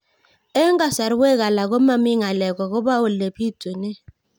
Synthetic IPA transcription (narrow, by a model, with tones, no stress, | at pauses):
ɛ˦ŋɡa˦˨sa˨ɾwɛ˦ɣa˨la˨ɣɔ˦ma˦mɪ˦ŋa˨lɛ˨kɔ˨kɔ˦ba˦o˨le˨pi˦tu˨nɛ˦